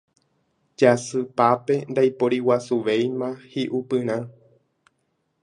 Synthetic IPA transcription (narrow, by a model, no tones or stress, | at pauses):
d͡ʒasɨpape̞nd̪ajpoɾiwasuʋejmãhiʔupɨɾ̃ã